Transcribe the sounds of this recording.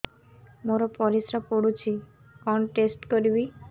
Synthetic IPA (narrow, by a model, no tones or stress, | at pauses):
moɾɔpɔɾisɾɔpoɽut͡ʃʰi | kɔnʈesʈkɔɾibi